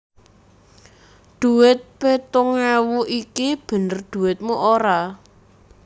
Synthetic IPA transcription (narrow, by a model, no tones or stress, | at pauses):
d̪̥ṳwɪt̪̚pet̪ʊŋɛwuʔikib̥ə̤nərd̪̥ṳwɪt̪̚muʔoɾa